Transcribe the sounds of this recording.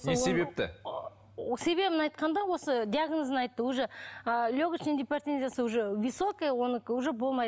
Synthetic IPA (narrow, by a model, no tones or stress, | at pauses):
nese̞be̞p̚t̪ɪ̰ | se̞be̞bɪnɑjt̪qɑnd̪ɑwo̞səd̪ʲiaɡnoznɑjt̪ːəwuʒəlʲoɡʲət͡ʃned̪ʲipʲert̪ʲenzʲjasəwuʒəvʲisokəwo̞nəkuʒəbo̞lˠmɑj